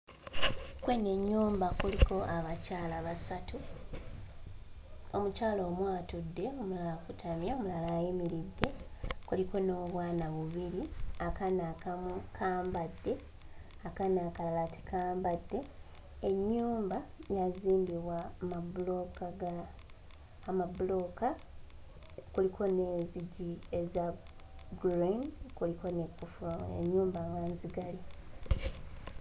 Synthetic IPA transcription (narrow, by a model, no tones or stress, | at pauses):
kwene̞ɲːuːmbakuliko̞ʔaβacaːlaβasatu | omucaːlo̞ːmwaːtudːe̞o̞mulalakutʰamjaomulalaːjimiɾidːe̞kuliko̞no̞ːβwaːnaβuβiɾiakanakamukʰaːmbadːe̞ | akanakalalati̥kaːmbadːe̞ː | ɲːuːmbajaziːmbiβwamabulokaɡaː | mabulo̞ka | kulikʰo̞ne̞ːziɟiezaɡɾinkuliko̞nekːufuḛɲːuːmbaŋɡanziɡali